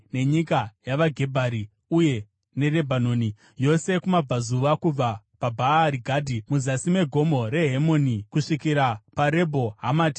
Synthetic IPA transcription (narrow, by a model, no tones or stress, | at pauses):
ne̞ɲikajaʋaɡʱe̞bʱaɾi | uje̞ | ne̞re̞bʱanoːni | jo̞se̞kumab͡vazuʋakub͡va | pabʱaɾiɡʱaːdʱimuzasime̞ɡʱo̞mo̞ɾe̞ɦemo̞ːnikuʂikiɾapaɾe̞bʱo̞ɦamaːti̥